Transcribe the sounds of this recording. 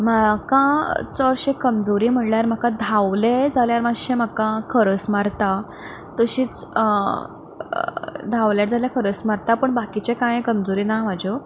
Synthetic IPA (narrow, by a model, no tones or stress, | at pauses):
makãt͡sɔɾɕekəmd͡zoɾiːm̤əʈljaɾm̤akãd̪ʱawled͡zaljaɾmaɕem̤akãkʰəɾəsmaɾt̪a | t̪əɕiːt͡s | d̪ʱaʋljaɾd͡zaljakʰəɾəsmaɾt̪apəɳbakit͡ɕekãjkəmd͡zoɾiːnam̤ad͡ʑʱo